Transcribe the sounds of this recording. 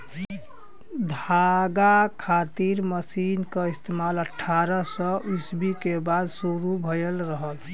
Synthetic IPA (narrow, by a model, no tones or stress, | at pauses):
d̪ʱaɡakʰat̪iɾməsinkəist̪emaləʈʰːaɾəsəʔusbikebad̪suɾubʱəjəlɾəɦəl